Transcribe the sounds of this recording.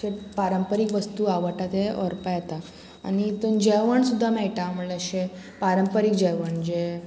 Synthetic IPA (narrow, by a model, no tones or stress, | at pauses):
epaɾəmpəɾikʋəst̪uaʋəʈat̪eɔɾpəjat̪a | a̰nit̪ənd͡ʑɛʋəɳsud̪ʱːamɛɭʈam̤uɭeəɕepaɾəmpəɾikd͡ʑɛʋəɳd͡ʑe